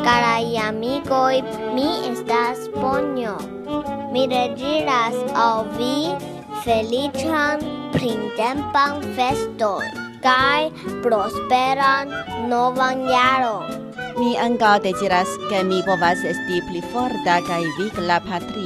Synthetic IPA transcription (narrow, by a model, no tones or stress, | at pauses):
kaɾajamikoj | miestaspoɲo | miɾed͡ʒiɾasawvi | felit͡ʃanpɾintempanfestonkajpɾospeɾanːovanjaɾon | miaŋkawd̪eziɾaskemipovasestiplifoɾt̪akajviklapʰat̪ɾi